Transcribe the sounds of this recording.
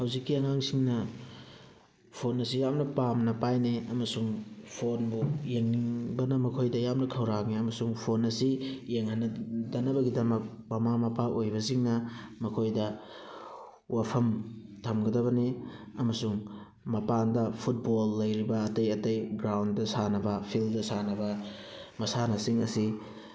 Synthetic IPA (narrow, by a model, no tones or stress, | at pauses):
hɐwzikːiɐŋaŋsiŋnɐ | pʰonːɐsijamnɐpamnɐpajneɐmɐsuŋpʰonbujeŋniŋbɐnɐmɐkʰojdɐjamnɐkʰɐwɾakniɐmɐsuŋpʰonɐsijeŋhanɐdɐnɐbɐɡidɐmɐk̚ | mɐmamɐpaʔojbɐsiŋnɐmɐkʰojdɐ | wʔapʰɐmtʰɐmɡɐdɐβɐniɐmɐsuŋ | mɐpandɐpʰut̚bolːɐjɾibɐːtɐjɐtɐjɡɾawndɐsanɐbɐpʰildɐsanɐbɐ | mɐsanɐsiŋɐsi